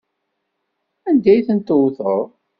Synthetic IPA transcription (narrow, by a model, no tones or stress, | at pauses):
ænd̪æjθənt̪ʊwθoɾˤ